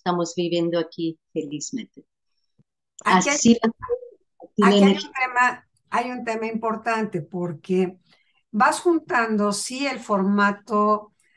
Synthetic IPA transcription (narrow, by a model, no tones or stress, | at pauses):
st̪amozβiβjend̪oakifelizmẽnt̪e | aasila | iaklaeut̪ema | ajunt̪e̞maimpo̞ɾt̪ant̪e̞po̞ɾke | basxunt̪and̪o̞sie̞lfo̞ɾmat̪o